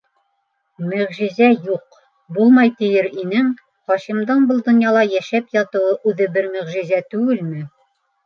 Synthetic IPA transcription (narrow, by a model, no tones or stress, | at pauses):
mɵ̆ʁʒɘ̆zæjuq | bulˠmɑjt̪ɘ̆jɘɾinɘŋ | χɑʃimd̪ɑnbɤlˠd̪ŏnjɑlˠɑjæʃæpjɑt̪ɤ̆wɤʔʉðɘbɘɾmɵ̆ʁʒɘ̆zæt̪ʉɡɘlmɘ